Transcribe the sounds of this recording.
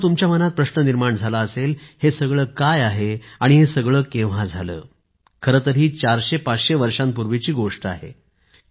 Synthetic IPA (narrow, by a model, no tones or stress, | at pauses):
t̪umt͡ɕjamənat̪̚pɾəɕnəniɾmaɳd͡zʱalaəselhesəɡɭəːkajaɦeaɽ̃iɦesəɡɭəːkeʋ̤ad͡zʱalə̰ː | kʰəɾət̪əɾiːt͡ɕaɾɕepat͡sɕeʋəɾʂampuɾʋit͡ɕiːɡoʂʈa̰ɦḛ